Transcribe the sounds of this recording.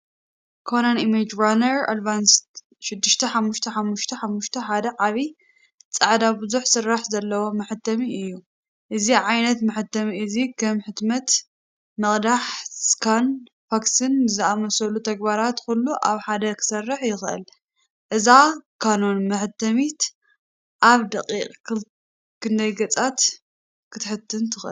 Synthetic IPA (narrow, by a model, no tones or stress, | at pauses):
kʰonanimed͡ʒɾanɐɾa̰d̪vanst̪ | ʃɪd̪ːɨʃt̪ʰɐħamːuʃt̪ʰɐħamːuʃt̪ʰɐħamːuʃt̪ʰɐħad̪ɐʕaβi | t͡sʼɐʕd̪abɨzuħsɨrːaħzɐlːɐwo̞mɐħɨt̪ʰːɐmiɨjːu | ʔɨziʕajnɐt̪mɨħɨt̪ːɐmiɨzikʰɐmħɨt̪mɐt̪ | mɐχʼd̪aħskʰan | faksɨnzɨamɐsɐlut̪ʰɐɡbaɾat̪kulːuʔaβħad̪ɐkʰɨ̥sɐrːɨħjɪxʔɨ̰l | ʔɨzakʰano̞nmɐħɨt̪ʰːɐmit̪ | ʔaβd̪ɐqʼiqʼkɨ | kʰɨnd̪ɐjɡɐt͡sʼat̪ | kʰɨt̪ʰɨħɨt̪ʰːɨnt̪ʰɨxʔɨ